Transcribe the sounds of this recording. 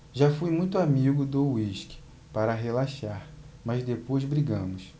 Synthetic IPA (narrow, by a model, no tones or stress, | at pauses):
ʒafujmũj̃t̪ʊamiɡʊd̪owiʃkɪ̥ | paɾɐɦelaʃaɾmɐzd̪epojzbɾiɡɐ̃mʊs